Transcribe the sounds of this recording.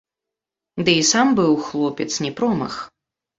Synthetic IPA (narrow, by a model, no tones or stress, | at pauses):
d̪ɨisambɨwxlˠɔpʲɛt̪snʲɛpɾɔmɐ̰x